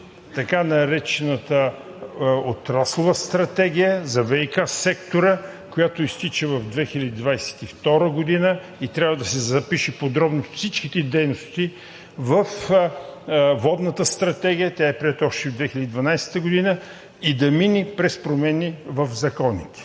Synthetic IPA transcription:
t̪ɐkanɐɾɛt͡ʃɛnət̪ə | ot̪ɾaslˠovəst̪ɾɐt̪ɛɡ̟ijəzɐvɛikasɛkt̪oɾə | kojat̪oist̪it͡ʃəvɐvd̪vɛxilʲəd̪id̪vajsɛ̥t̪ift̪ɔɾəɡod̪inə | it̪ɾʲabvəd̪ɐsɛzɐpiʃɛpod̪ɾɔbnosfsit͡ʃkit̪ɛd̪ɛjnost̪i | vəf | vɔd̪nət̪əst̪ɾɐt̪ɛɡ̟ʲijət̪ʲjaɛpɾiɛt̪ɔʃt̪ɛod̪vɛxilʲəd̪id̪vɐnajsɛ̥t̪əɡod̪inə | id̪ɐminipɾɛspɾomɛnivəfzɐkɔnit̪ɛ̥

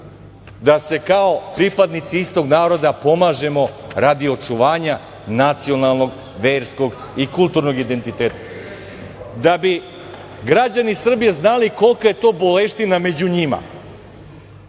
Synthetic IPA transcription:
d̪ase̞kao̞pɾipad̪nit̪siist̪o̞ɡnaːɾo̞d̪apo̞maːʒe̞mo̞ɾad̪io̞t͡ʃuʋaːɲa | nat̪sio̞nalˠno̞ɡ | ʋeːɾsko̞ɡ | ikulˠt̪uɾno̞ɡid̪e̞nt̪it̪eːt̪ḁ | d̪abi | ɡɾad͡ʑanisr̩bije̞znaliko̞lˠkaje̞t̪o̞ːbo̞leʃt̪iname̞d͡ʑuɲima̰

